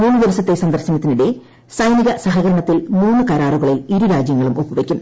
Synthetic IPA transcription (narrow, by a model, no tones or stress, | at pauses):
muːnːud̪iʋɐsɐt̪ːe̞sɐnd̪ɐrɕɐnɐt̪ːiniɽe̞ | sɐjniɣɐsɐɦɐɣɐɾɐɳɐt̪ːilmuːnːukɐɾaːruɣɐɭiliɾuɾaːd͡ʑjɐŋːɐɭumupːuʋekʲːum